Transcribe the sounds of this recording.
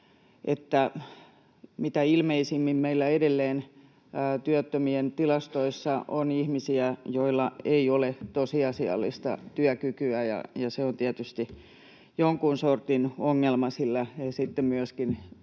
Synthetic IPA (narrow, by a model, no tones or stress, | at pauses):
ʔḛt̪ːæ | mit̪æilmeisimːimmeilːæedelːeːnː | t̪yøt̪ːømient̪ilɑst̪oisːɑʔonihmisiæjoilːɑeiolet̪osiɑsiɑ̰lːḭst̪ɑ̰t̪yœkykyæjɑ̰jɑseont̪iæt̪yst̪i | joŋkunsort̪inoŋːelmɑsilːæesit̪ːemmyøskin